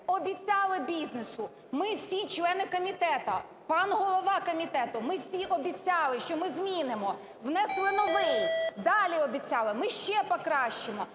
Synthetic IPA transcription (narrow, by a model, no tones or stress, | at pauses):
ɔbʲit͡sʲɑlˠɪbʲiznesʊ | mɪwsʲit͡ʃlˠɛnɪkɔmʲit̪ɛt̪ɐ | pɑnɦɔlˠɔʋɑkɔmʲit̪ɛt̪ʊmɪwsʲiʔɔbʲit͡sʲɑlˠɪʃt͡ʃɔmɪzmʲinɪmɔ | wnɛslˠɪnɔʋɪjd̪ɑlʲiɔbʲit͡sʲɑlˠɪmɪʃt͡ʃɛpɔkɾɑʃt͡ʃɪmɔ